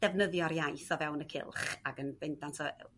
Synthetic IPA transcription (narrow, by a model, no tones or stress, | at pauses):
d̥ɛvnəðjɔɾjajθɔvɛwnəkʰɪ̰lˠχaɡənvɪndansʰɔ